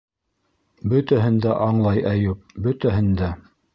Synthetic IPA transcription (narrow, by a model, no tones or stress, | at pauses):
bɵt̪æɦɘ̆nd̪æʔɑɴlˠɑjʔæjɘp̚bɵ̆t̪æɦɘ̆nd̪æ